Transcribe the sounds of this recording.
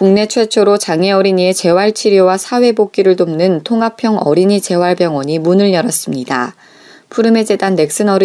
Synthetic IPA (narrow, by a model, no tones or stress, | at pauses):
kuŋne̞t͡ɕʰwe̞t͡ɕʰoɾot͡ɕaŋe̞ʌɾiɲie̞t͡ɕe̞waɭt͡ɕʰiɾjowasʰawe̞bok̚k͈iɾɯɭtomnɯntʰoŋapʰjʌŋʌ̰ɾiɲit͡ɕe̞waɭbjʌŋwʌɲimunɯɭɲʌɾʌs͈ɯmɲida̰ | pʰuɾɯme̞d͡ʑe̞danːe̞k̚s͈ɯnʌɾ